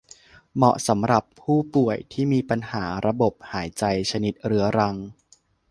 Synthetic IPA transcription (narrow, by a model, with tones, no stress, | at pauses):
mɔ̰˨˩sa˩˦mɾa˨˩pʰːuː˥˩pu˨˩əjt̪ʰiː˥˩miː˧pa˧nhaː˩˦ɾa˧bo˨˩p̚haː˩˦jt͡ɕa˧jt͡ɕʰa˧ni˦˩t̪̚ɾɯ˩˦ɐɾa˧ŋ